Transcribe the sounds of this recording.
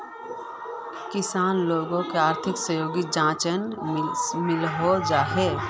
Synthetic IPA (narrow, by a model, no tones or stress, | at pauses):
kɪsaːnloːɡõkeaːɾt̪ʰɪksəjoːɡid͡ʒãːt͡ʃən | mɪlɦod͡ʒaːɦeː